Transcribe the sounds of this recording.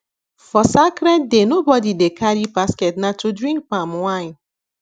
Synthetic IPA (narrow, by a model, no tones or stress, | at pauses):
fɔsakɾet̚denobɔdidekʰaɾipasketnatudɾĩŋk̚pamwaɪn